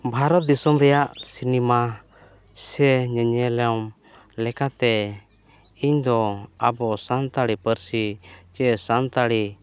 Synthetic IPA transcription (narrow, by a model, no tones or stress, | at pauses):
bʱaɾɔt̪̚d̪isɔmɾɛjaʔsinɛma | sɛɲəɲɛlɛm | lɛkat̪ɛ | iɲd̪ɔabɔsant̪aɽipəɾsit͡ʃɛsant̪aɽi